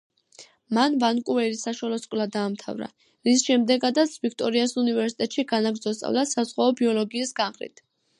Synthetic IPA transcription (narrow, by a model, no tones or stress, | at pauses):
manvankʼuɛɾisaʃwalɔskʼlad̪aːmt̪ʰa̰vɾa̰ | ɾisʃɛmd̪ɛɡad̪at̪sʰvik̚ʰt̪ʼɔɾiasunivɛɾsit̪ʼɛt̪ʼʃiɡanaɡɾd̪zɔst̪ʼa̰vd̪asazʁwaɔbiɔlɔɡiːsɡanχɾḭt̪ʰ